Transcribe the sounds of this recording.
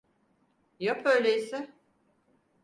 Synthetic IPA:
jopøjlʲeisɪ

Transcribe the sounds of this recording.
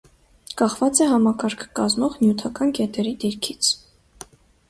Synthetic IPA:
kɑχvɑt͡sɛɦɑmɑkɑɾkʰə̥kɑzmɔʁnjut̪ʰɑkɑnkɛt̪ɛɾid̪iɾkʰit͡sʰ

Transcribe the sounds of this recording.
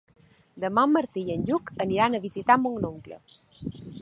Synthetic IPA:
d̪əmɔmːəɾt̪iənʲʎukəniɾanəβizit̪amuŋnoŋklə̰

